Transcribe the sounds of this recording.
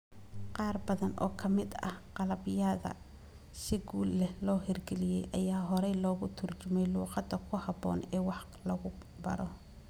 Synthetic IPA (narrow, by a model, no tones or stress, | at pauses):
qɑːrbɐðɐnʔɔ̰ːkʰɐmɪd̪ɐ̰hqɑlɐβɪjɐðɐ̰ | sɪɡuːlːɛhlɔːɦɪrɡɛlɪjɛjʔɐjaːɦɔɾɛjlɔːɣʊt̪ʰʊrt͡ʃʊmɛjluːqɑd̪ɐkʰʊhɑbɔ̰ːnɛːwɑħ | lɐɣʊ | bɐ̰ɾɔ